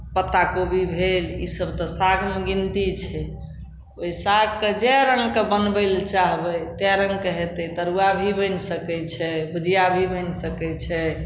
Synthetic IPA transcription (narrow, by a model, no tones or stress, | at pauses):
pət̪ːakobʱibʱelḭsəbt̪ɔsaɡmeɡint̪it͡ʃʰɛ | ojsaɡ̚ked͡ʒɛɾəŋɡkebənbəɪlt͡ʃaɦbɛt̪ɛɾəŋɡkəɦɛt̪ɛt̪əɾuabʱibə̃ɪnsəkɛt͡ʃʰɛbʱud͡ʒijabʱibənsəkɛt͡ʃʰɛ